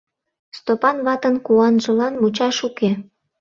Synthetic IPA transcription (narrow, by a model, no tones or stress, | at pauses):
st̪opɑnβɑt̪ənkuɑnʒə̆lɑnmut͡ɕɑʃuke